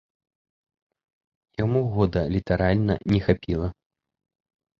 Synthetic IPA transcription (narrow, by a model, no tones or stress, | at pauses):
jamuɣɔd̪ɐlʲit̪aɾalʲnɐ̰nʲɛxapʲilˠɐ